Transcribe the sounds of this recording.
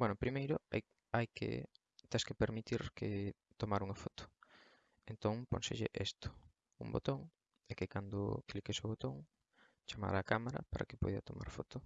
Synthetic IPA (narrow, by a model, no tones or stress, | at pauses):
bwɛnopɾimejɾʊa | ajkɪ̰ | t̪ɛskepeɾmit̪iɾkɪ | t̪omaɾuŋɐfɔt̪ʊ̥ | ent̪oŋpõ̰nseʎɪ̰ʔest̪ʊ̥ | ṵmbo̰t̪oŋ | ɛkekand̪ʊ̰klikesoβot̪oŋ | t͡ʃama̰ɾaːkamaɾɐ̰paɾʔa̰ke̥po̰jðɐ̰t̪omʔa̰ɾfot̪ʊ